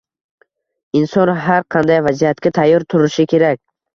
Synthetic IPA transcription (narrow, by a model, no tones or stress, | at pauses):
ɪnsɒnɦaɾqʰɑnd̪ajvazijat̪kʲat̪ʰajːɒɾt̪ʰʊɾɪʃɪkʲʰe̞ɾakʲ